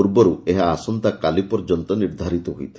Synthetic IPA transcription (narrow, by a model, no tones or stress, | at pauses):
uɾbɔɾueɦaːsɔnt̪akalipɔɾd͡ʒɔnt̪ɔniɾd̪ʱaɾit̪ɔɦujt̪ʰi